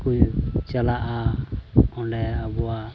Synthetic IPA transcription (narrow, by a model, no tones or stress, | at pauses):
kujt͡ʃalaʔa | ɔɖɛabɔwa